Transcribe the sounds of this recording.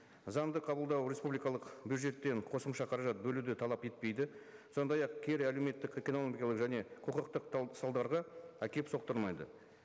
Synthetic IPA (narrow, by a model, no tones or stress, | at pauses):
zɑnd̪əqʰɑbəlˠd̪ɑwɾʲe̞spublijkɑlˠəqbjud̪ʒe̞t̪ːe̞ɴqʰo̞səmʃɑqʰɑɾɑʒɑt̪̚bɵlud̪ɪt̪ʰɑlˠɑpe̞t̪̚pe̞jd̪ɪso̞nd̪ɑjɑqkʲʰe̞ɾæleme̞t̪ːɪkekʲenolˠoɡʲijɑlˠəqʒæne̞qʰoqəqt̪əqsɑlˠd̪ɑɾʁɑækʲe̞pso̞q̚t̪əɾmɑjd̪ə̰